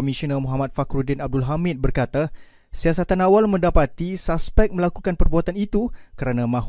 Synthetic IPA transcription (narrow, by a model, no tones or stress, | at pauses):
misinəmɔɦamat̪̚fakɾudɪnab̚dʊlɦamɪt̪̚bərkat̪a | siasat̪anawalmə̃ndapat̪isaspɛk̚mə̃lakukanpərbuat̪anit̪ukəɾanãmãɦ